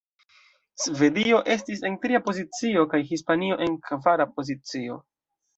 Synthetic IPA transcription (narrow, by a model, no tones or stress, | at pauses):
sve̞dio̞ʔe̞stis̬e̞ntɾiapo̞zit͡sio̞kajɦispanio̞ʔe̞nkvaɾapo̞zit͡sio̞̰